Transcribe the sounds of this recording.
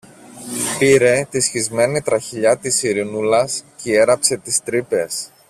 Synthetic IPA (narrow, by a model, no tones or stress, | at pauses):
piɾe̞t̪isçizme̞nit̪ɾɐçiʎɐt̪isiɾinulɐsceie̞ɾɐpse̞t̪ist̪ɾipe̞s